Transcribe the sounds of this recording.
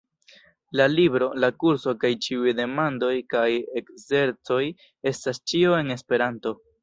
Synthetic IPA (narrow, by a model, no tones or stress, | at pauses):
lalibɾo̞lakuɾso̞kajt͡ʃiujde̞mando̞jkaje̞kze̞ɾt͡so̞j | e̞stast͡ʃio̞e̞ne̞spe̞ɾanto̞